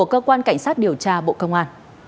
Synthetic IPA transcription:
əkəː˧kwaː˧nka˧˩jŋ̟saː˦˥t̚ɗi˨˩əwt͡ɕaː˧ɓo̰˧˨kə˧wŋ͡mʔaː˧n

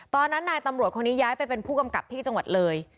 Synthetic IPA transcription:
t̪ɔː˧nːa˦˥nːaː˧jt̪a˧mɾu˨˩ət̪̚kʰo˧nːiː˦˥jaː˦˥jpa˧jpe˧npʰuː˥˩ka˧mka̰˨˩p̚t̪ʰiː˥˩t͡ɕa˧ŋwa˨˩t̪̚lɤː˧j

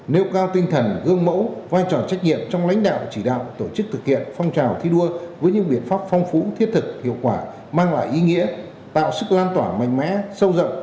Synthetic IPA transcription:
ne˨˧wkaː˧wt̪ï˧ŋ̟t̪ʰə˨˩nɣɨ˧əŋmə̰˧˥wvaː˧jt͡ɕɔ˨˩t͡ɕa˦˥jk̟̚ɲḭ˧˨əmt͡ɕɔ˧wŋ͡mla̰˧˥jŋ̟ɗa̰ː˧˨wt͡ɕi˧˩ɗa̰ː˧˨wt̪o˧˩t͡ɕɨ˦˥k̚t̪ʰɨ˨˩k̚hḭ˧˨ənfɔ˧wŋ͡mt͡ɕaː˨˩wt̪ʰi˧ɗu˧əvəː˨˦jɲɨ̰˧˥ɓḭ˧˨ənfaː˦˥p̚fɔ˧wŋ͡mfu˨˦t̪ʰi˦˥ət̚t̪ʰɨ˨˩k̚hḭ˧˨əwkwaː˧˩ | maː˧ŋla̰ː˧˨jʔi˨˦ŋḭ˧˥ə | t̪a̰ː˧˨wsɨ˦˥k̚laː˧nt̪waː˧˩ma̰˧˨jŋ̟ma̰ː˧˥sə˧wzə̰˧˨ŋ͡m

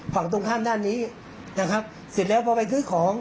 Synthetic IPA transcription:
kʰaː˨˩t̪o˧ŋt̪ʰaː˥˩mdaː˥˩nːiː˦˥ | na˦˥kʰa˦˥p̚ | si˨˩t̪̚lɛː˦˥wpʰɔː˧pa˧jkʰɯː˦˥˩kʰɔː˩˦ŋ

